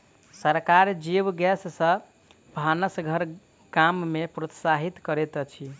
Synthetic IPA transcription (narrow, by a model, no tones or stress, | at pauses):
səɾkaɾd͡ʒiʋɡɛssə̃ | bʱanəsɡʱəɾ | kamːepɾot̪saɦit̪kəɾet̪t͡ʃʰi